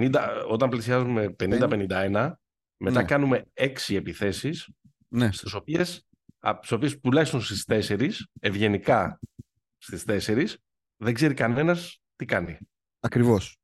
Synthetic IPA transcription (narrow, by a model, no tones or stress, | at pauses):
nind̪ɐo̞t̪ɐmplisiɐzume̞pe̞nind̪ɐpenind̪ɐe̞nɐ | me̞ɐkɐnume̞e̞ksie̞piθe̞sis | nest̪iso̞pies | t̪i̥so̞pie̞spulɐsunst̪ist̪e̞se̞ɾise̞vʝe̞nikɐ | st̪ist̪e̞se̞ɾis | ðe̞ɡze̞ɾikɐne̞nɐs | t̪ikɐni | ɐkɾivo̞s